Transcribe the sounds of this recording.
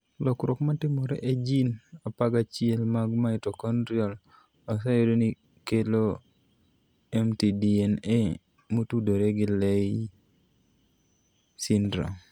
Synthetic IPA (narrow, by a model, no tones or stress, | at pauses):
lɔkɾokmatɪmɔɾḛʔed͡ʒinapaɡat͡ʃɪelmaɡmaitɔkɔnɾjɔl | asajodoni | kelo | ɛmtidiɛne | motudoɾeɡɪlei | sɪndɾa̰